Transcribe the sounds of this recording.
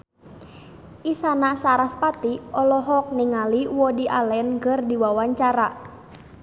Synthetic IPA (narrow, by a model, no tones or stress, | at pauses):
ʔisanasaɾaspat̪iʔɔlɔɦɔk̚niŋaliwɔdiʔalɛnɡərdiwawaɲt͡ʃaɾa